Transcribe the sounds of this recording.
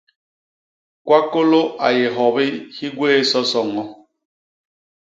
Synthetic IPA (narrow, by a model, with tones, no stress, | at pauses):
kwa˦ko˦lo˦a̰˨je˨ɦɔ˨bi˦hi˦ɡweː˦sɔ˦sɔ˨ŋɔ˦